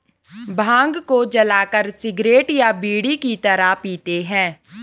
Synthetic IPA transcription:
bʱãːŋɡkod͡ʒəlaːkəɾsɪɡɾeːʈjabiːɽikit̪əɾapiːt̪eɦɛ̃ː

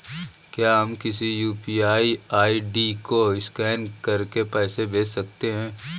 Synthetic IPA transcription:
kjaːɦɐmkɪsijuːpiːaːiaːiɖikoɪskɛːnkɐɾkepɛːsebeːt͡ʃsɐkt̪eɦɛ̃ː

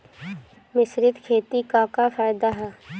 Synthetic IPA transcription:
mɪsɾɪt̪kʰeːt̪ikaːkafaːjd̪aɦɛː

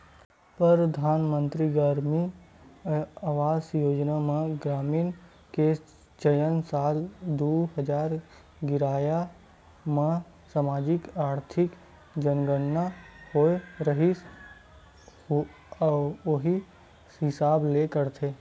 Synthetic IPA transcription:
pɾəɾd̪ʱaːnmə̃nt̪ɾiɡəɾmi | aːʋaːzjoːd͡ʒnamãɡɾaːmiːn | ke | d͡ʒəjənsaːld̪uːɦəd͡ʒaːɾ | ɡɪɾaːja | mã | samaːd͡ʒɪkaːɾt̪ʰɪk | d͡ʒənɡənːahoeɾəɦi | oɦi | ɦɪsaːblekəɾt̪ʰeː

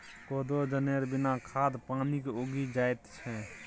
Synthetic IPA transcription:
koːd̪od͡ʒəneɾbɪnakʰaːd̪paːnikeoːɡid͡ʒaːjt̪t͡ʃʰɛ

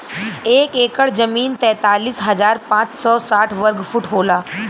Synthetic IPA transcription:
eːkeːkəɽd͡ʒɐmiːnt̪ɛ̃ːt̪aːliːsɦɐzaːɾpãːt͡ʃsɔːsaːʈʰʋɐɾɡfʰʊʈɦoːlaː

